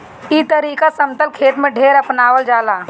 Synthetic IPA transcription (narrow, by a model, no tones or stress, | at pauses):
it̪əɾiːkasəmt̪əlkʰeːt̪mẽɖʱeːɾəpnaːwəld͡ʒaːlaː